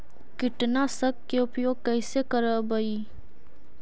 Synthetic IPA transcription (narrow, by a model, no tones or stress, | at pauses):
kɪʈnasəɡ̚keʊpjoːɡ̚kɛɪsekəɾəbəi